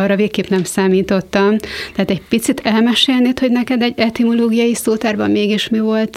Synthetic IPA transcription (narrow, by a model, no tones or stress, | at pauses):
ɒrːɒveːkkeːpnɛmsaːmiːt̪o̞t̪ːɒmt̪ɛɦaːt̪ɛcɟpit̪sit̪ʰɛlmɛʃeːlneːt̪ho̞ɟnɛkɛd̪ɛɟɛt̪imoloːɡijɒjisoːt̪aːrbɒmmeːɡiʃmivo̞lt̪